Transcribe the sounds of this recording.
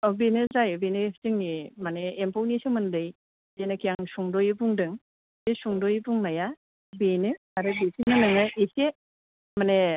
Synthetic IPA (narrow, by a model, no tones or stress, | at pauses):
ɔbenɯzajbenɯepʰtiŋnimaneːmpʰawnisɯmɯndɯj | zenakijaŋsuŋdojɯbuŋdɯŋ | zesuŋdojbuŋnaja | benɯ | aɾɯbisinanɯŋɯise | mane